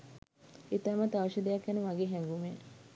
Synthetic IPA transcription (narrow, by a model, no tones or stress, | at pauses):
it̪amɐt̪aʋɐʃid̪ejakjanəʋaɡeːɦɛŋɡume